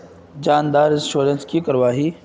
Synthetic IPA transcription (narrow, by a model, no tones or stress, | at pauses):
d͡ʒaːnd̪aːɾɪsʃoːɾənskikɐɾʋaːɦiː